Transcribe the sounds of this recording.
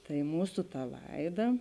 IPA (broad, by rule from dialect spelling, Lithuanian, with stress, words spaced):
tɐɪ ˈmuːsʊ tɐ ˈlˠɐɪˌdɐ